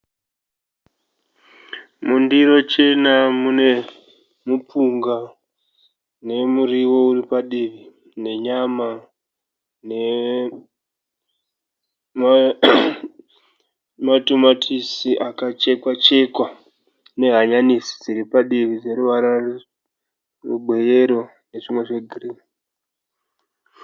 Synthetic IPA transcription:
mundiɾo̞t͡ʃe̞namune̞ | mupuŋɡa | ne̞muɾiwo̞uripaɗiʋi | ne̞ɲama | ne̞ | a | matomatʰisiʔakat͡ʃe̞kwat͡ʃe̞kwa | ne̞ɦaɲanisi̥d͡ziɾipaɗiʋid͡zeɾuʋaɾar | ruɓwe̞je̞ɾo̞ | ne̞ʂimwe̞ʐeɡʱiriːi

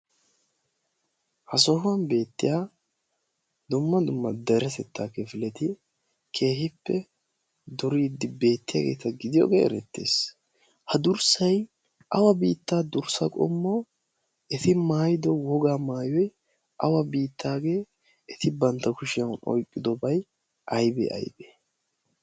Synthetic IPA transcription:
hɐsɔɦʊɐnbe̞ːt̪ːɪjaː | d̪ʊmːɐd̪ʊmːɐd̪ɛɾɛt̪ɛt̪ːaːkɛfɪlɛt̪ɪ | kʰe̞ːhɪpːɛ | d̪ɔɾiːd̪ːɪbe̞ːt̪ːɪja̰ːɡeːt̪ɐɡɪd̪ɪjo̰ːɡḛːɛ̰ɾɛt̪ːḛːs | hɐd̪ʊɾsɐj | ʔɐwɐbiːt̪ːaːd̪ʊɾsɐkʼɔ̰mːo | ɛt̪ɪmaːjɪd̪ɔwɔɡaːmaːjɔj | ʔɐwɐbiːt̪ːaːɡe̞ː | ɛt̪ɪbɐnt̪ːɐkʊʃɪjɐwʊnʔɔ̰jkʼːɪd̪ɔbɐj | ʔɐjbɛ̰ʔɐ̰jbe

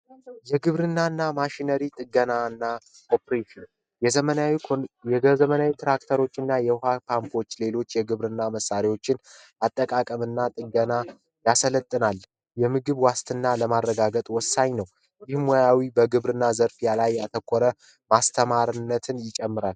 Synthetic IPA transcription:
jɛɡɨβɾɨnːanːamaʃinəɾit̪ʼɨɡənaɨnːa | ʔopɾeʃin | jɛzəmənawijɛɡəzəmənawit̪ʰɾak̚t̪ʰəɾo̞t͡ʃːɨnːajɛhapʰampʰo̞t͡ʃːle̞lo̞t͡ʃːjɛɡɨβɾɨnːaməsːaɾewo̞t͡ʃːɪn | at̪ʼːəkʼakʼəmɨnːat̪ʼɨɡəna | jasələt̪ʼːɨnal | jɛmɨɡɨβwast̪ʰɨnːaləmaɾːəɡaɡət̪ʼwɔsːaɲnəw | jɪhmɔjawibəɡɨβɾɨnːazəɾfijalajːat̪ʰəkʼːɔɾə | mast̪ʰəmaɾɨnːət̪ʰɨnjɪt͡ʃʼɛmːɨɾal

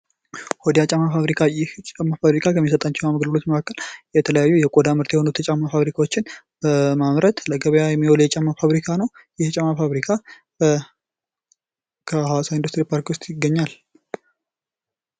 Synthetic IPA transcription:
hod̪ijat͡ʃʼamːafaβɾikʰajɪht͡ʃʼamːafaβɾikʰakəmːisət̪ʼat͡ʃːɛaməɡləlo̞t͡ʃːməkakːəljɛt̪ʰələjajːujɛkʼod̪amɨɾt̪jɛho̞nut̪ʰət͡ʃʼamːafaβɾikʰawot͡ʃːɪn | bəmamɾət̪ləɡəβəjajɛmːiwɔljɛt͡ʃʼamːafaβɾikʰanəw | jɪht͡ʃʼamːafaβɾikʰa | kʰəhawasaind̪ust̪ɾipʰaɾkwʊst̪ʼjɪɡːəɲːal

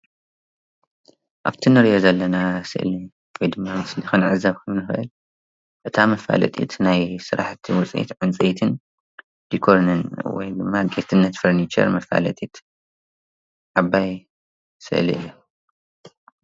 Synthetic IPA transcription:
ʔa̰βt̪ʰinɨɾijozɐlːɐnasɨ̰ʔli | wɔjd̪ɨmːamɨslixɨnʕɨzaβkʰɐmnɨxʔɨ̰l | ʔɨt̪ʰamɐfa̰lɐ̰t̪ʼḭt̪najsɨɾa̰ħt̪ʰiwɔt͡sʼʔḭt̪ʕɨnt͡sʼiit̪ʰɨn | dikʰoɾnɨnwɔ̰jd̪ɨmːaɡet̪ʰɨnːɐt̪fɐɾnit͡ʃɐ̰ɾmɐfa̰lɐ̰t̪ʼit̪ | ʕaβːaj | sɨ̰ʔlḭɨ̰jːo

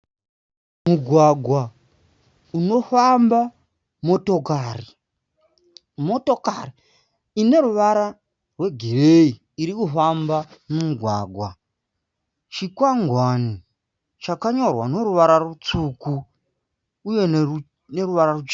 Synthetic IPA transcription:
muɡʱwaɡʱwa | uno̞famba | mo̞tokari | motokari | ine̞ɾuʋaɾa | rwe̞ɡʱirei | iɾikufambamumuɡʱwaːɡʱwa | t͡ʃikwaŋɡʱwani | t͡ʃakaɲo̞rwanoɾuʋaɾarut͡sukuː | je̞ | ne̞ruʋaɾarut͡ʃ

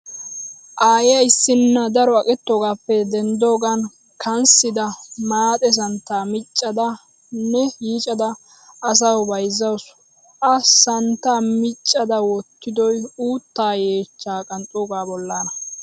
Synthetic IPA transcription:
ʔaːjɪjɐɪsːɪnːɐd̪ɐɾɔɐkʼɪt̪ːo̞ːɡaːpːɛd̪ɛnd̪o̞ːɡɐn | kʰɐnsɪd̪ɐmaːt̪ʼɛs̬ɐnt̪ːaːmɪt͡ʃʼːɐd̪ɐ | nɛjiːt͡ʃʼɐd̪ɐː | s̬ɐwbɐjzːɐws | ʔɐsɐnt̪ːaːmɪt͡ʃʼːɐd̪ɐwɔt̪ːɪd̪ɔjuːt̪ːaːje̞ːt͡ʃːaːkʼɐnt͡sʼoːɡaːbɔlːaːnɐ

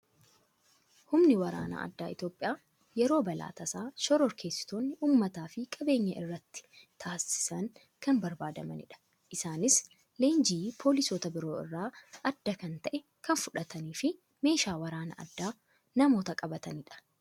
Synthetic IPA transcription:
hʊmnɪwɐɾa̰ːna̰ʔɐ̰d̪ːa̰ːɪ̰t̪jo̞ːpʼɪjaː | jɛɾo̞ːbɐla̰ːt̪ɐsaːʃɔɾɔɾkʰe̞ːsːɪ̥t̪oːnːɪʔuːmːɐt̪aːfɪkʼɐbe̞ːɲːɐʔɪrːɐt̪ːɪ̥t̪ʰaːsɪ̥sɐŋ | kɐnbɐɾbaːd̪ɐmɐ̰nɪ̰ᶑɐ̥ | ʔɪsaːnɪs | leːnd͡ʒiːpʰoːlɪsoːt̪ɐbɪɾo̞ːɪ̰rːaːʔɐd̪ːɐkɐnt̪ɐʔɛ | kɐnfʊᶑɐt̪ɐniːfɪ | me̞ːʃaːwɐɾaːnɐ̰ʔɐ̰d̪ːaː | nɐmo̞ːt̪ɐkʼɐbɐt̪ɐnɪᶑɐ̥

